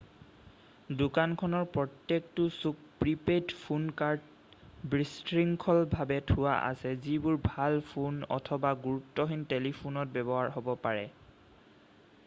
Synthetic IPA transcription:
dʊkankʰɔnɔɹpɹɔtːek̚tʊsuk̚pɹipetpʰunkaɹt | bɹistɹiŋkʰɔlbʱabɛtʰʊwaʔa̰sɛzibʊɹbʱalpʰunɔ̰tʰɔbaɡuɹutːɔɦintelipʰunɔt̚bɛbɔɦaɹɦɔbɔpaɹɛ

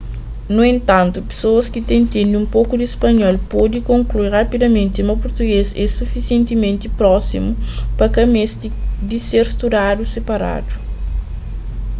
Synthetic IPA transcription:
nuẽnt̪ɐ̃nt̪upe̥soɐskit̪ẽj̃t̪enũmpokud̪iispɐɲɔlpɔd̪ikõŋkluirapid̪ɐmẽnt̪imɐpoɾt̪uɡezɛsufisiẽnt̪imẽnt̪ipɾɔsimupɐkɐmes | d̪iseɾst̪ud̪ad̪usepɐɾa̰d̪u

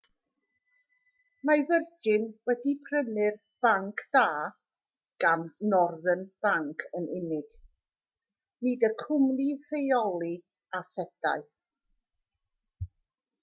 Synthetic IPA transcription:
mavərd͡ʒɪnwɛdipʰrənɪr | b̥aŋkʰd̥aː | ɡ̥annɔrðənb̥aŋkʰənɪnɪɡ̥ | nɨdəkʰʊmnirejɔlˠi | asɛd̥a̰ɨ

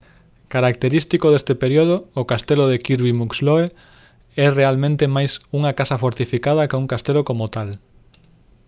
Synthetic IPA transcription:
kaɾak̚t̪eɾist̪ikoðest̪epeɾjoð̞ookast̪eloðekiɾβimuksloe | ɛrealmẽnt̪emajsuŋɐkasɐfoɾt̪ifikað̞ɐkuŋkast̪elokomot̪al

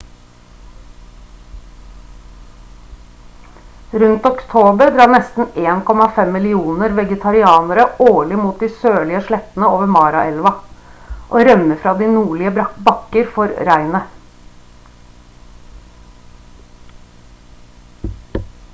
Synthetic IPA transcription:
ɾʉnt̪ɔkt̪ʰoːbəɾɖ̪ɾɑːɳɛst̪n̩eːnkɔmɑfɛmːɪlɪuːnəɾʋɛɡət̪ʰɑɾɪɑːnəɾəoːɭɪmuːt̪̚d̪iːsøːɭɪəʂɭɛt̪ən̩əoːʋəmɑːɾɑʔɛlʋɑ | ʔoːɾœmːəfɾɑːd̪iːnuːɭɪəbbɑkəɾfɔɾɾæɪnə

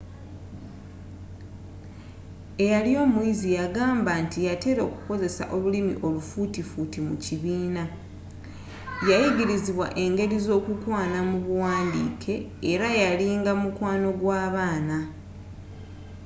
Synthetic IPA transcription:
e̞jalio̞ːmuizijaɡaːmbantijate̞ɾo̞ːku̥ko̞ze̞sa̰ʔo̞lulimḭʔo̞lufutifutimṵciβiːna | jajiɟiɾiziβwa̰ʔe̞ŋɡe̞ɾizo̞ːkukwaːnamuβuwaːndḭːkʰe̞ːɾajaliːŋɡamukwaːno̞ɡwaːβaːna

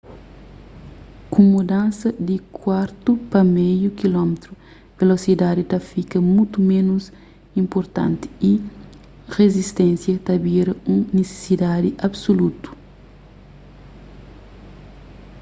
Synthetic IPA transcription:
kũmud̪ãnsɐd̪ikʰwaɾt̪upɐmɛjukilɔmet̪ɾu | velosid̪ad̪it̪ɐfikɐmut̪umenus | ĩmpoɾt̪ã̰nt̪i̥i | rezist̪ɛ̃nsjɐt̪ɐbiɾɐũnese̥sid̪ad̪iʔɐbsolut̪u̥

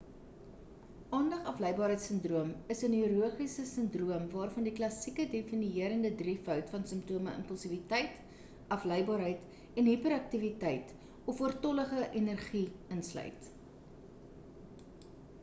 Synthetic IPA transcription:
ɑːndɐχɐfləjbɑːɾɦəjtsəndruəməsənyɔɾuəχisəsəndruəmvɑːrfɐndiklɐsikədefiniiəɾəndədrifœɥtfɐnsəmptuəməə̰mpəlˠsivitɛjt | ɐflɛjbɑːɾɦəjt | ɛnɦipəɾɐk̚tivitɛjt | ɔfuərtɔləχəʔɛnərχiənslœ̰ɥt

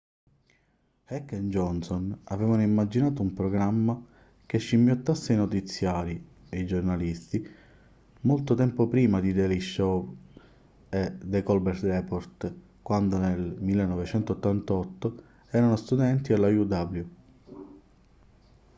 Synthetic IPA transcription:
hɛkːend͡ʒɔnsonavɛːvanoimːad͡ʒinaːt̪̬oumpɾoɡɾamːa | keʃːimːjot̪ːasːajnot̪it̪sːjaːɾi | ejd͡ʒornalist̪i | molt̪ot̪ɛmpopɾiːmad̪id̪ɛliʃo | ed̪ekɔlbɛɾt̪ɾɛpoɾt̪ | kwand̪onelmilːenːɔvet͡ʃɛnt̪oːt̪ːant̪ɔt̪ːo | ɛːɾanost̪ud̪ɛnt̪ialajud̪ablju

